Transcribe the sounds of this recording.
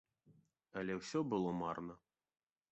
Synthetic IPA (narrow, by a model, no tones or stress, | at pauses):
ɐlʲɛwsʲɔbɨlˠɔmarnɐ